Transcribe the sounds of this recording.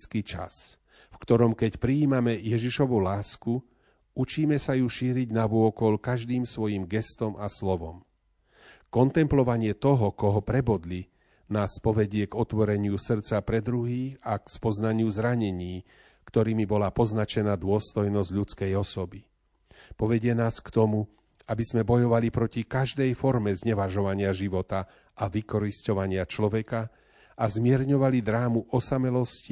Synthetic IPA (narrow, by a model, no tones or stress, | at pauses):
t͡skit͡ʃa̰s | fkt̪ɔɾɔmkɛcpɾiːmamɛjɛʒiʃɔʋulaːsku | ut͡ʃiːmɛsajuʃiːɾiɟnaʋʊɔkɔlkaʒd̪iːmsʋɔjimɡɛst̪ɔmʔaslɔʋɔm | kɔnt̪ɛmplɔʋaɲɪɛt̪ɔɦɔkɔɦɔpɾɛbɔd̪li | naːspɔʋɛɟɪɛɡɔt̪ʋɔɾɛɲɪusr̩t͡sapɾɛd̪ɾuɦiːxakspɔznaɲɪuzɾaɲɛɲiː | kt̪ɔɾiːmibɔlapɔznat͡ʃɛnad̪ʊɔst̪ɔjnɔzɟʎut͡skɛjɔsɔbi | pɔʋɛɟɪɛnaːskt̪ɔmu | abizmɛbɔjɔʋalipɾɔcikaʒd̪ɛjfɔɾmɛzɲɛʋaʒɔʋaɲɪaʒiʋɔt̪a | ʔaʋikɔɾiscɔʋaɲɪat͡ʃlɔʋɛka | azmɪɛɾɲɔʋalid̪ɾaːmuʔɔsamɛlɔsci